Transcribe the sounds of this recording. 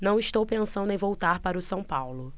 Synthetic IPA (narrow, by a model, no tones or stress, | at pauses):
nɐ̃w̃iʃt̪owpẽsɐ̃nd̪ʊẽvowt̪aɾpaɾʊsɐ̃w̃pawlʊ